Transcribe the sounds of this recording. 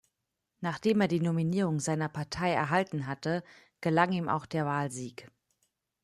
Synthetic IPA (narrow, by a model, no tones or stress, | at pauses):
naːχd̥eːmeːɐdiːnominiːʁ̞ʊŋzaɪnɐpʰaɐtʰaɪɛ̰ɐɦaltn̩ɦatə | ɡ̥əlaŋiːmʔa̰ʊxd̥eːɐvaːlziːk